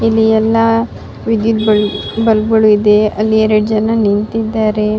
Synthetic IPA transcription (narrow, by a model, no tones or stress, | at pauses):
ilːiɛlːɐ | ʋid̪jut̪bɐbɐlɡɐɭuid̪e̞ɐlːiɛɾɐɽd͡ʒɐnɐnint̪id̪ːaːɾe